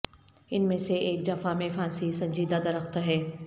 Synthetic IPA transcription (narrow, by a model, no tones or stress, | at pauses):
ɪnmẽseʔeːk̚d͡ʑɐfamẽfãːsisɐ̃ɲd͡ʒiːd̪ad̪ɐɾəxt̪ɦɛː